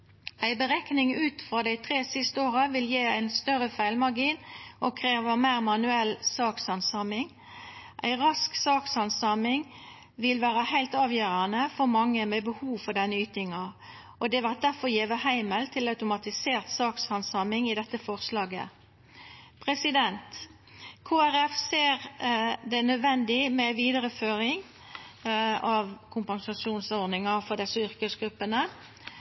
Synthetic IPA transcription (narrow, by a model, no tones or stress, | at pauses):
æɪbəʁɛknɪŋʉːt̪fʁɑːd̪æɪt̪ʰʁeːsɪst̪əoːʁəʋɪljeːæɪnst̪œɾəfæɪlmɑʁɡiːnɔkʰʁeːʋəmæɪʁmɑnʉɛlsɑːkshɑnsɑmɪŋ | ʔæ̰ɪʁɑsksɑːkshɑnsɑmɪŋ | ʋɪlʋæːʁəhæɪlt̪ɑːʋjøːʁɑnəfɔʁmɑŋːəmɛbəhuːʋfɔʁɖ̪ɛnːəyːt̪ɪŋɑ | ɔd̪ɛʋɑt̪̚d̪æɾfɔɾjeːʋəɦæɪməlt̪ʰɪlɑʉt̪ʊmɑt̪ɪseːʁt̪sɑːkshɑnsɑmɪŋɪd̪ɛt̪ːəfɔʁslɑːɡə̰ | pʰʁɛsɪd̪ɛnt̪ | kʰoːæɾɛfseːʁd̪ɛnœd̪ʋɛnd̪ɪmɛʋiːd̪əɾəføːɾɪŋ | ɑʋkʰʊmpɑnsɑʃuːnsɔɾd̪ɪŋɑfɔd̪ɛsəʏʁkəsɡɾʉpːənə